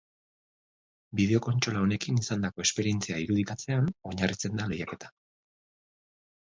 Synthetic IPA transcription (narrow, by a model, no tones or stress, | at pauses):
biðe̞o̞ko̞nt͡ʃo̞lao̞ne̞kinisand̪ako̞e̞spe̞ɾie̞nt͡siaiɾuðikat͡se̞ano̞ɲarit͡se̞nd̪ale̞jake̞t̪ḁ